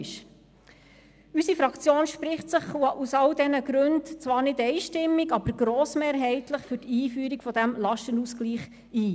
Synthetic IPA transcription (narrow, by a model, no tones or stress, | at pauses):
ʃ | ysifɾɑkt͡sjoːnʃpɾɪχtsəχusɑldɛnəɡɾʉntt͡sʋɑːɾnɪdɛɪʃtɪmːiɡɑb̥əɾɡ̥ɾoːsmeːɾɦɛɪtləχfʏɾtiːfyːɾikfɔd̪æmlɑʃtənusɡ̥liːχ | iː